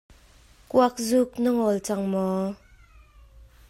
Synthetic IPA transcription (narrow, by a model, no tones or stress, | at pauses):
kuak̚zuk̚nəŋɔlt͡sɐŋmɔ